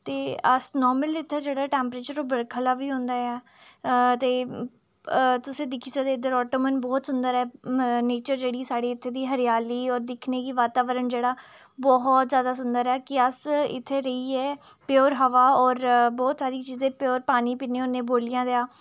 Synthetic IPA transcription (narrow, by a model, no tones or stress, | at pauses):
t̪eːəsnɔːɾməlɪt̪ʰːeːd͡ʒeːɽaːʈɛːmpɾeːt͡ʃəɾoːbəɽkʰəlaːʋiːɦõːnd̪aːɛː | t̪eː | t̪ʊsẽːd̪ɪkʰiːsad̪eːd̪əɾɔːʈoːmənbɔːt̪sʊnd̪əɾɛːneːt͡ʃəɾd͡ʒeːɽiːsaːɽeːɪt̪ʰːeːd̪iːɦəɾjaːliːɔːɾd̪ɪkʰneːkiːʋaːt̪aːʋəɾəɳd͡ʒeːɽaːbɔɦɔt̪zjaːd̪aːs̬ʊnd̪əɾɛːkɪəsɪ̰t̪ʰːeːɾəiːɛːpeɔːɾɦəʋaːɔːɾbɔːt̪saːɾiːt͡ʃiːzẽːpjoːɾpaːniːpiːnẽːʊnẽːboːlijãːd̪eaː